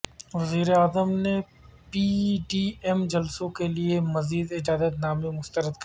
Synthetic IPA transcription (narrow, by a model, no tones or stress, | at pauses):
ʋɐziːɾeaːzəmne | piːɖiːɛmd͡ʒɐlsõkeliemɐziːd̪ɪd͡ʒaːd̪ət̪naːmẽmʊst̪əɾəd̪k